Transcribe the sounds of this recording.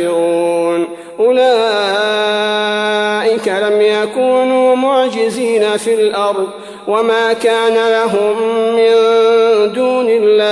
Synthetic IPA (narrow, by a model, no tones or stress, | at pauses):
ɪɾuːn | ʔʊlaː | ʔɪkalamjakuːnuːmʊʕd͡ʒɪziːnafilʔɑɾˤd̪ˤ | wamaːkaːnalaɦʊmːɪnd̪uːnɪlːaː